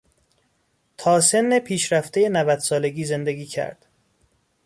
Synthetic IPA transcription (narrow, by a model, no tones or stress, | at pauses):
t̪ʰɒːse̞nːepʰiːʃɾæft̪e̞jenævæd̪̥sɒːle̞ɡiːze̞nd̪eɡiːcʰæ̰ɾd̪̥